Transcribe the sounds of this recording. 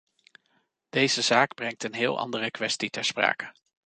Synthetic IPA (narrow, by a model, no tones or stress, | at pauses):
d̥ejzəzaːɡbrɛŋ̚tənɦɪːlˠʔɑ̰ndərəkʋɛstitɛɹspra̰ːkə̥